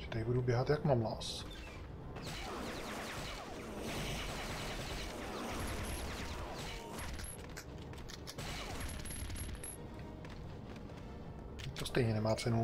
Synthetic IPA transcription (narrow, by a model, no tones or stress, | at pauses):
ɪt̪ɛjbudubjɛɦat̪jakmamlas | t̪ost̪ɛjɲɛnɛmaːt͡sɛnu